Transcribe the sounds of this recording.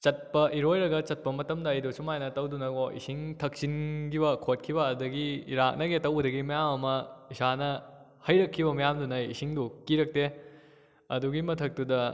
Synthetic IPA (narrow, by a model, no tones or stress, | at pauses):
t͡ʃɐt̚pɐʔiɾojɾɐɡɐt͡ʃɐt̚pɐmɐtɐmdɐːjdosumajnɐtɐwdunɐɡoʔḭsiŋtʰɐk̚sinkibɐkʰot̚kʰibɐːdɐɡiɾak̚nɐɡetɐwbɐdɐɡimɐjamɐmɐisanɐ | hɐjɾɐkʰːibɐmɐjamdunɐjisiŋdukiɾɐk̚te | ɐ̰duɡimɐtʰɐk̚tudɐ